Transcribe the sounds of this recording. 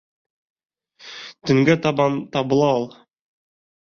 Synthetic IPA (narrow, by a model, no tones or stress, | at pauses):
t̪ɵ̆ŋɡæt̪ɑbɑnt̪ɑbɤ̆lˠɑolˠ